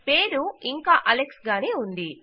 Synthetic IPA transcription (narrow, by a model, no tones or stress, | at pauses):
pe̞ːɾuiŋkaːʔɐleksɡaːneːund̪i